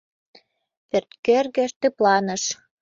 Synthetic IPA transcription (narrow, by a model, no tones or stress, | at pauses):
pert̪kørɣĕʃt̪eplɑnə̆ʃ